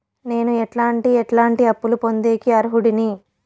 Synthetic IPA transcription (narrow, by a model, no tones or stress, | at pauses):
ne̞ːnuɛʈlaːɳʈiɛʈlaːɳʈiɐpːulupo̞nd̪e̞ːkiɐɾuɦuɽini